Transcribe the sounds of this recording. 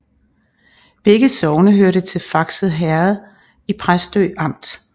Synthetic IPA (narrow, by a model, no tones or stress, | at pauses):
b̥eɡ̥əsɒʊnəɦøɐɾət͡sʰe̝lfɑ̈ɡ̥səð̩ˠɦæɐð̩ˠ | ipʰʁasd̥øːɑ̈m̰d̥